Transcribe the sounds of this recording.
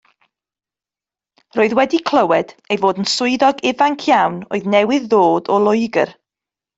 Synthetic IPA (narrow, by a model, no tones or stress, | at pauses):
roːɨðwɛdikʰl̥ˠəwɛd̥ejvoːdənsʊɨðɔɡɪvaŋkʰjawno̰ːɨðnɛwɪðːoːdɔlˠʊɨɡə̰r